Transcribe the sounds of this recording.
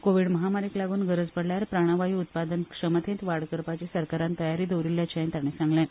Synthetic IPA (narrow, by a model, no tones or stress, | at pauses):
koʋiɽməɦamaɾiːklaɡuːnɡʱəɾəd͡zpəɽljaɾpɾaɽ̃aʋaɦiːut̪̚pad̪ənkʂəmət̪ʰẽt̪ʋaɽkəɾpat͡ɕesəɾkaɾant̪əjaɾiːd̪owɾilːjat͡ɕʰaẽnt̪aɽ̃esãŋɡlɛ̃